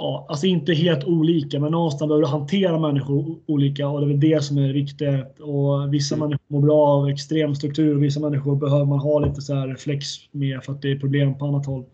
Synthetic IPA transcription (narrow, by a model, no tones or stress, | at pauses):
ɑːals̬ɔɪnt̪əɦeːlt̪uːliːkamɛnːɔnːst̪anbɛøːɾəɦant̪ʰeːɾamɛnːɪɧʊɾuːliːkaɔd̪ɛːvɛld̪ɛsɔmæɾvɪkt̪ɪɡa | ɔvɪsːamɛnːɪʊmoːɾbɾɑːavɛkst̪ɾeːmst̪ɾɵkt̪ʰʉ̟ːɾɔvɪs̬ːamɛnːɪɧʊɾbɛɦøːvəɾmanɦɑːliːt̪əsæɾɛflɛksmeːɾfœɾat̪̚d̪ɛːɾpʰɾʊbleːmpʰɔanːat̪hɔlː